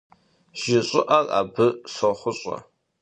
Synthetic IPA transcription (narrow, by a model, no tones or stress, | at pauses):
ʒ̥ɪɕʼɪʔara̰ːbɨsɐχʷʊɕʼɐ̰